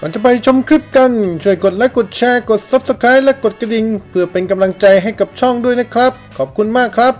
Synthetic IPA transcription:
kɔː˨˩˦nt͡ɕa˧˩pa˧jt͡ɕʰo˧mkʰɾi˦˥p̚ka˧nt͡ɕʰu˥˩əjko˨˩t̪̚lɛ˦˥ko˨˩t̪̚t͡ɕʰɛː˧ko˨˩t̪̚sa˦˥p̚sa˧kʰɾaː˦˥jlɛ˦˥ko˨˩t̪̚kɾa˧di˨˧ŋpʰɯ˥˩ɐpe˧nka˧mla˧ŋt͡ɕa˧jɦa˥˩jka˨˩p̚t͡ɕʰɔ˥˩ŋdu˥˩əjna˦˥kʰɾa˦˥p̚kʰɔː˨˩p̚kʰu˧nmaː˥˩kʰːɾa˦˥p̚

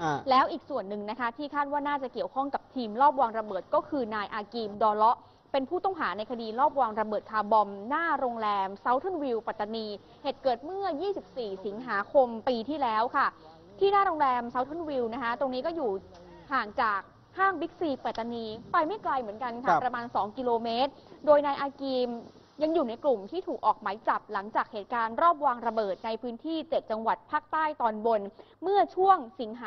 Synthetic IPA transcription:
lɛː˦˥wʔiː˨˩k̚su˨˩ənːɯ˨˩ŋna˦˥kʰa˦˥t̪ʰiː˥˩kʰaː˥˩t̪̚waː˥˩naː˥˩t͡ɕa˨˩ki˨˩əwkʰɔ˥˩ŋka˨˩p̚t̪ʰiː˧mlɔː˥˩p̚waː˧ŋɾa˧bɤː˨˩t̪̚kɔː˥˩kʰɯː˧naː˧jʔaː˧kiː˧mdɔː˧lɔ˦˥ʔ | pe˧npʰuː˥˩t̪ɔ˥˩ŋɦaː˩˦na˧jkʰa˧diː˧lɔː˥˩p̚waː˧ŋɾa˧bɤː˨˩t̪̚kʰaː˧bɔ˧mnaː˥˩ɾoː˧ŋɾɛː˧msa˦˥wt̪ʰɔ˥˩nwi˧wpa˨˩t̪ːa˧niː˧ | heː˨˩t̪̚kɤː˨˩t̪̚mɯ˥˩ɐjiː˥˩si˨˩p̚siː˨˩si˩˦ŋɦaː˩˦kʰo˧mpiː˧t̪ʰiː˥˩lɛː˦˥wkʰa˥˩ | t̪ʰiː˥˩naː˥˩ɾoː˧ŋɾɛː˧msa˦˥wt̪ʰo˥˩nwi˧wna˦˥kʰa˦˥t̪o˧ŋniː˦˥kɔː˥˩juː˨˩ | haː˨˩ŋt͡ɕaː˨˩k̚ | haː˥˩ŋbi˦˥k̚siː˧pa˨˩t̪ːa˧niː˧pa˧jma˥˩jkla˧jmɯ˩˦ənka˧nkʰa˥˩pɾa˧maː˧nsɔː˩˦ŋki˧loː˧me˦˥t̪̚doː˧jnaː˧jʔaː˧kiː˧m | ja˧ŋjuː˨˩na˧jklu˨˩mt̪ʰiː˥˩t̪ʰuː˨˩k̚ʔɔː˨˩k̚maː˨˩˦jt͡ɕa˨˩p̚la˩˦ŋt͡ɕaː˨˩k̚heː˨˩t̪̚kaː˧nɾɔː˥˩p̬̚waː˧ŋɾa˧bɤː˨˩t̪̚na˧jpʰɯː˦˥nt̪ʰiː˥˩t͡ɕe˨˩t̪̚t͡ɕa˧ŋwa˨˩t̪̚pʰaː˥˩k̚t̪aː˥˩jt̪ɔː˧nbo˧n | mɯ˥˩ɐt͡ɕʰu˥˩əŋsi˩˦ŋɦaː˨

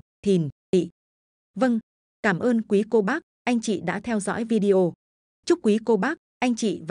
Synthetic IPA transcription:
t̪ʰi˨˩n | ḭ˧˨ | və˧ŋ | kaː˧˩mʔəː˧nkwi˨˦ko˧ɓaː˦˥k̚ʔa˧jŋ̟t͡ɕḭ˧˨ɗa̰ː˧˥t̪ʰɛ˧wzɔ̰˧˥jvi˧ɗi˧ʔo˧ | t͡ɕʊ˦˥k͡p̚kːwi˨˦ko˧ɓaː˦˥k̚ʔa˧jŋ̟t͡ɕḭ˧˨va˨

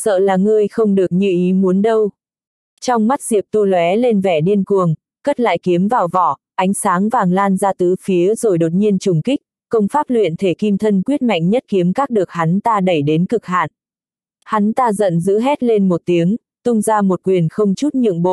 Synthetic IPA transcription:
sə̰ː˧˨laː˨˩ŋɨ˧əjxə˧wŋ͡mɗɨ˨˩ək̚ɲḭ˧˨ʔi˨˦mu˨˦ənɗə˧w | t͡ɕɔ˧wŋ͡mma˦˥t̚zi˨˩əp̚t̪u˧lwɛ˨˦le˧nvɛ˧˩ɗi˧ənku˨˩əŋ | kə˦˥t̚la̰ː˧˨jki˨˦əmvaː˨˩wvɔ˧˩ʔa˨˦jŋ̟saː˨˦ŋvaː˨˩ŋlaː˧nzaː˧t̪ɨ˨˦fi˨˦əzo˨˩jɗo˨˩t̚ɲi˧ənt͡ɕʊ˨˩ŋ͡mki˦˥k̚ | kə˧wŋ͡mfaː˦˥p̚lwḭ˧˨ənt̪ʰe˧˩ki˧mt̪ʰə˧nkwi˦˥ət̚ma̰˧˨jŋ̟ɲə˦˥t̚ki˨˦əmkaː˦˥k̚ɗɨ˨˩ək̚ha˨˦nt̪aː˧ɗə˧˩jɗe˨˦nkɨ˨˩k̚ha̰ː˧˨n | ha˨˦nt̪aː˧zə̰˧˨nzɨ̰˧˥ɦɛ˦˥t̚le˧nmo˨˩t̚t̪i˨˦əŋ | t̪ʊ˧ŋ͡mzaː˧mo˨˩t̚kwi˨˩ənxə˧wŋ͡mt͡ɕu˦˥t̚ɲɨ̰˧˨əŋɓo̰˧˨

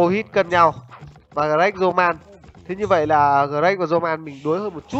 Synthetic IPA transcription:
o˧hi˦˥t̚kə˨˩nɲa˨˩w | vaː˨˩ɣaː˨˩ʔa˦˥k̚zo˧maː˧n | t̪ʰe˨˦ɲɨ˧və̰˧˨jlaː˨˩ɣəː˨˩ɾa˦˥k̚vaː˨˩zo˧maː˧nmï˨˩ŋ̟ɗu˨˦jhəː˧nmo˨˩t̚t͡ɕu˦˥t̚

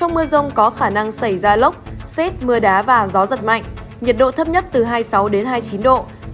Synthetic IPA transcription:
t͡ɕɔ˧wŋ͡mmɨ˧əzə˧wŋ͡mkɔ˨˦xaː˧˩na˧ŋsa˧˩jzaː˧lə˦˥wk͡p̚sɛ˦˥t̚mɨ˧əɗaː˨˦vaː˨˩zɔ˨˦zə˨˩t̚ma̰˧˨ŋ̟ | ɲi˨˩t̚ɗo̰˧˨t̪ʰə˦˥p̚ɲə˦˥t̚t̪ɨ˨˩ɦaː˧jsa˨˦wɗe˨˦nɦaː˧jt͡ɕi˨˦nɗo̰˧˨

